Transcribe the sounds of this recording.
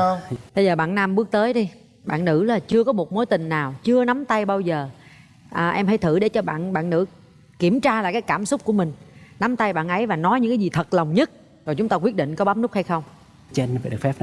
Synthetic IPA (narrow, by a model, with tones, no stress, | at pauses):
ɓə˧jzəː˨˩ɓa̰ː˧˨nna˧mɓɨ˦˥ək̚t̪əː˨˦jɗi˧ | ɓa̰ː˧˨nːɨ̰˧˥laː˨˩t͡ɕɨ˧əkɔ˨˦mo˨˩t̚mo˨˦jt̪ï˨˩ŋ̟naː˨˩wt͡ɕɨ˧əna˨˦mt̪a˧jɓaː˧wzəː˨˩ | ʔəː˨˩ʔɛ˧mha˧˩jt̪ʰɨ̰˧˩ɗe˧˩t͡ɕɔ˧ɓa̰ː˧˨nɓa̰ː˧˨nːɨ̰˧˥ | ki˧˩əmt͡ɕaː˧laː˨˩kaː˨˦jkaː˧˩msʊ˦˥k͡p̚ku˧˩əmï˨˩ŋ̟na˨˦mt̪a˧jɓa̰ː˧˨nʔə˨˦jvaː˨˩nɔ˨˦jɲɨ̰˧˥ŋkaː˨˦jzi˨˩t̪ʰə˨˩t̚lə˨˩wŋ͡mɲə˦˥t̚ | zo˨˩jt͡ɕʊ˨˦ŋ͡mt̪aː˧kwi˦˥ət̚ɗḭ˧˨ŋkɔ˨˦ɓaː˦˥p̚nʊ˦˥k̚ha˧jxə˧wŋ͡m | t͡ɕe˧nvaː˧˨ɗk̚fɛ˦˥p̚